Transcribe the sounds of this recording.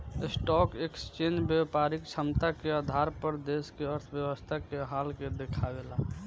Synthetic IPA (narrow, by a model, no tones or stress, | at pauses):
ɪsʈɔkekst͡ʃẽnd͡ʒbjəpaɾɪkt͡ʃʰəmt̪akead̪ʱaɾpəɾd̪eskeəɾt̪ʰbjəwəst̪ʰakeɦalked̪ekʰaɡela